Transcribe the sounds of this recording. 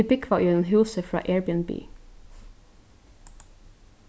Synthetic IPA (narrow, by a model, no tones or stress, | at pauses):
ɪbɪkʰʋɑːʔʉːd̪ənhʉːsəfɹɑ̰ːʔeːɹbɪənby̰ː